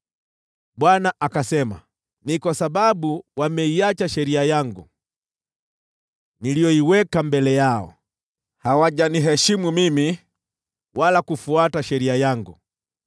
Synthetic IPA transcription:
ɓwanaʔakasɛma̰ | nikwasaɓaɓuwamɛiat͡ʃaʃɛɾiajaŋɡṵ | nilijɔiwɛkambɛlɛjaɔ̰ | hawaʄaniɦɛʃimumimi | wʔalakufuataʃɛɾiajaŋɡu

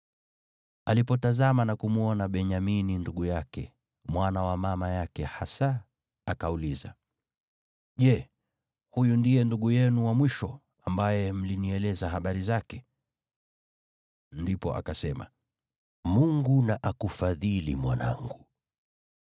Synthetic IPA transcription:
alipɔtazamanakumuɔnaɓɛɲamininduɠujakɛ̰ | mwanawamamajakɛhasa | akauliza̰ | ʄɛ | hujundijɛnduɠujɛnuwamwiʃɔ | ambajɛm̩liniɛlɛzaɦaɓaɾizakɛ | ndipɔ̰ʔa̰kasɛma̰ | muŋɡunaʔakufaðilḭmwana̰ŋɡu

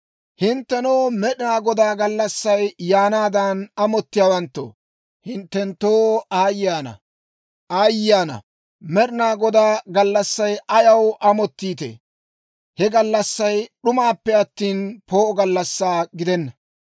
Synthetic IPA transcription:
hɪnt̪ːɛnoːmɛɗɪnaːɡɔd̪aːɡɐlːɐsːɐjːaːnaːd̪anɐmɔt̪ːɪjaːwɐnt̪ːo̰ | hɪnt̪ːɛnt̪ːoːaːjːaːnɐ̰ | ʔaːjaːnɐ̰ | mɛɗɪnaːɡɔd̪aːɡɐlːɐsːɐjʔɐjɐwʔɐmɔt̪ːiːt̪ḛː | hɛɡɐlːɐsːɐjɗʊmaːpːɛɐt̪ːiːnpo̞ːʔɔɡɐlːɐsːaːɡɪd̪ɛnːɐ

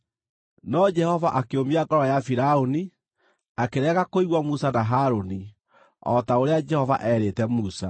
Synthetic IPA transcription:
nɔd͡ʒɛhɔvaʔakeomiaɡɔɾɔjafiɾaoni | akeɾɛɣakoiɣwamusanaɦaɾoni | ɔtaoɾead͡ʒɛhɔva̰ʔɛɾetɛmusa

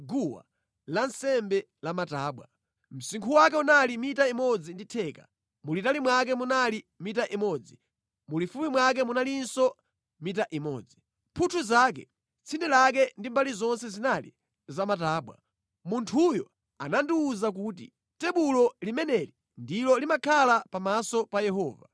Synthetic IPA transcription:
ɡuwa̰ | lansɛmbɛ | lamataːɓwa̰ | m̩siŋkʰuwakɛunalimitaimɔd͡zinditʰɛːka̰ | mulitalimwak̬ɛmunalimitaʔimɔd͡zi | mulifumimwak̬ɛmunalinsɔ | mitaʔimɔ̰ːd͡zi | pʰutʰuzak̬ɛ̰ | t͡sʰindɛlak̬ɛndimbalizɔnsɛzinalḭ | zamataːɓwa̰ | muntʰujɔ | anandiːzak̬uːt̬ḭ | tɛɓulɔlimɛnɛli | ndilɔlimakʰalapamasɔpajɛɦɔːva̰

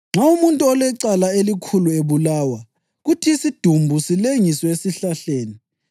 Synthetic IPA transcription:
ŋ͡ǁaumuntʼuɔlɛǀalaelikʰulueβulawa | ɣutʰiːsid̥ʱumbʱusileŋisɔesiɬaɬeːni

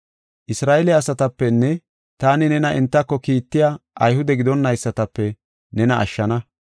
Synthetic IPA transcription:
ʔɪsɾaːʔɛlɛɐsɐt̪ɐpːɛnːɛ | t̪aːnɪnɛnɐʔɛnt̪ːɐkːɔkiːt̪ːɪjaʔɐjhʊd̪ɛɡɪd̪ɔnːɐjsːɐt̪ɐpːɛ | nɛnɐʔɐ̰ʃːɐnɐ

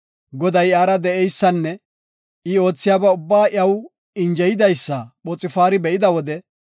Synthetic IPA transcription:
ɡɔd̪ɐjaːɾɐd̪ɛʔɛjsːɐnːɛ | ɪo̞ːt͡sːɪjaːbɐʊbːaːʔɐw | ɪnd͡ʒɛjɪd̪ɐjsːɐɓɔt͡sʼːɪfaːɾɪbɛʔɪd̪ɐwɔd̪ɛ

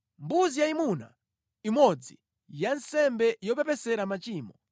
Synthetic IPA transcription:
mbuzijaimuna̰ | imɔd͡zi | jansɛmbɛjɔp̬ɛpɛsɛɾamat͡ʃiːmɔ

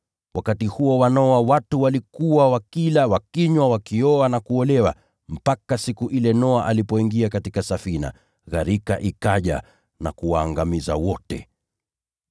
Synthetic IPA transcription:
wakatihuɔwanɔwawatuwalikuwawakilawakiɲwawakiɔanakuɔlɛwa̰ | m̩pakasikuʔilɛnɔaʔalipɔiŋɡiakatikasafina̰ | ɣaɾikaʔikaʄa̰ | na̰kuwaːŋɡamiza̰wɔtɛ̰

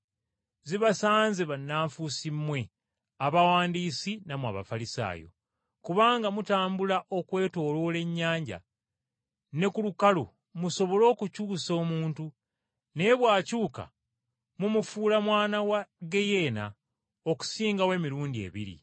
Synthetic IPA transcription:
ziβasaːnzeβanːaːɱfusimːwe̞ | aβawaːndiːsinamwa̰βa̰falisa̰ːjo̞̰ | kuβaːŋɡamutaːmbulaʔo̞kwe̞ːto̞ːlo̞le̞ɲːaːɲɟa̰ | ne̞kulukalo̰ | muso̞βo̞lo̞ːkucuːso̞ːmuːntu | ne̞βwaːcuːka̰ | mumufuːlamwaːnawaɡe̞je̞ːna̰ | o̞ku̥siːŋɡawe̞miɾuːndie̞̰βḭɾḭ

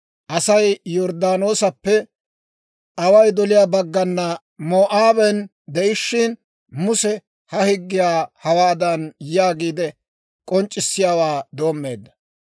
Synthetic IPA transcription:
ʔɐsɐjjɔɾd̪aːno̞ːsɐpːɛ | ʔɐwɐjd̪ɔlɪjaːbɐɡːɐnːɐ | moːʔaːbɛn | d̪ɛʔɪʃːɪn | mʊsɛ | hɐhɪɡːɪjaːhɐwaːd̪ɐnjjaːɡiːd̪ɛ | kʼɔnt͡ʃʼːɪsːɪjaːwaːd̪o̞ːmːe̞ːd̪ːɐ̥

